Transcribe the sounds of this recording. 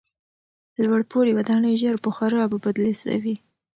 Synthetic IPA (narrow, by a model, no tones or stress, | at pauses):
lwaɽpoɽiwad̪ɑnəjʒaɾpəxaɾəbəbad̪lesa̰wi